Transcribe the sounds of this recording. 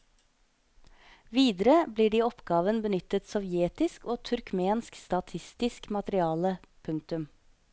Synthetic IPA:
ʋiːd̪əɾəbliːɖiːɔpɡ̥ɑːʋənbənʏt̪ət̪sɔʋjeːt̪ɪskoːt̪ʰʉɾkmeːnskst̪ɑt̪ʰɪst̪ɪskmɑt̪əɾɪɑːləpʰʉŋkt̪ʉm

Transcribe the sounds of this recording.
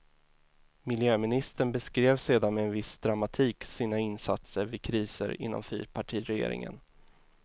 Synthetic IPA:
mɪljøːmɪnɪst̪əɳbɛskɾeːvseːd̪anmɛɛnvɪsd̪ɾamat̪ʰiːksiːnaɪnsa̰t̪səɾvɪkʰɾiːsə̰ɾɪ̰nːɔ̰mfy̰ːɾpʰaʈʰiːɾɛjḛːɾɪ̰ŋə̰n

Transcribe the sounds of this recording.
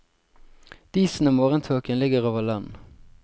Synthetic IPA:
d̪̥iːsn̩əmoːʁənt̪ʰoːkənlɪɡəʁoːʋəlɑn

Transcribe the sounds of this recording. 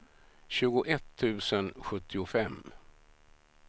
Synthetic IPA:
ɕʉ̟ːɡʊʔɛt̪ʰːʉ̟ːsənɧɵt̪ʰːɪʊfɛmː

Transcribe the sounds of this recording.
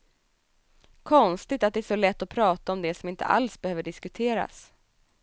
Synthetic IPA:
kʰɔnst̪ɪt̪at̪̚d̪ɛæʂɔlɛt̪ːɔpʰɾɑːt̪aɔmd̪ɛsɔmɪnt̪ʰə̰ʔa̰lsbɛhøːvəɖɪskɵt̪ʰeːɾa̰s

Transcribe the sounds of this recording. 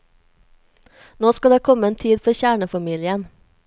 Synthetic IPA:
noːskɑd̪eːkʰɔməeːnt̪ʰiːd̪fɔɾçæːɳəfɑmiːlɪən

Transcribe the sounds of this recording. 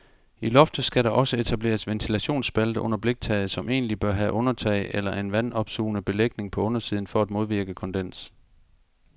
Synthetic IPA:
ilɒ̽fd̥ð̩ˠsɡ̥æɾɑ̈ʔɒ̽səe̝t͡sʰæb̥le̝̰ːɐsʋent͡sʰilæɕo̝̰ːnsb̥æld̥əʔɔ̽n̰ɐb̥le̝ɡ̥̚t͡sʰɛ̰ɪð̩ˠsɒ̽mʔe̝̰ːnlib̥ɶɐɦæʔɔ̽nɐt͡sʰɛ̰ɪʔelɐʔe̝nʋænɒ̽b̥sṵːnəb̥e̝leɡ̥̚ne̝ŋpʰɒ̽ɔ̽nɐsiːð̞ˠn̩fɒ̽æd̥mo̝ð̞ˠʋiɐɡ̥əkʰɒ̽nd̥en̰s

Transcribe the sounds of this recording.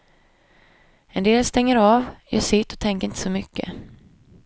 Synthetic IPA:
ɛnd̪eːlst̪ɛŋːəɾɑːvjɑ̰ːʂɪt̪ːɔ̥t̪ʰɛŋkəɾɪnt̪ə̥sɔmʏkːə̰

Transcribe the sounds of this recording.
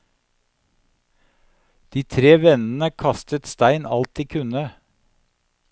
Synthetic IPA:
d̪̥iːt̪ʰɾeːʋɛnn̩əkʰɑst̪ət̪st̪æɪnɑ̰lt̪iːkʰʉnə

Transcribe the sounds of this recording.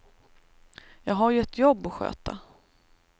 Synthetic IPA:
jɑːɡɦaɾjɵɛt̪jɔbːɔɧø̰ːt̪a̰

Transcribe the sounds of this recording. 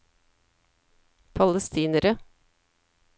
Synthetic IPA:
pʰɑləst̪iːnəɾə

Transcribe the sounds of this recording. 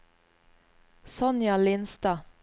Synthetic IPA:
sɔnjɑlɪnst̪ɑː

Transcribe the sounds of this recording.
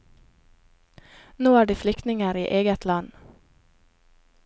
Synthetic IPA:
noːæːɖiːflʏkt̪nɪŋəɾḭːʔeːɡət̪ʰlɑn

